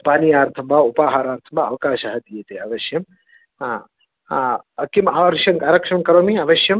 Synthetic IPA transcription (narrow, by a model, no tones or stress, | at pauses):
paːniaːɾt̪ʰɐmbʱaupaːɦaːɾaːɾt̪ʰɐmbaɐʋkaːʃaɦɐd̪ijet̪eɐʋɐʃjɐm | ɐkimaʋɐɾʃjɐŋkaːɾɐkʂɐŋkɐɾoːmiɐʋɐʃjɐm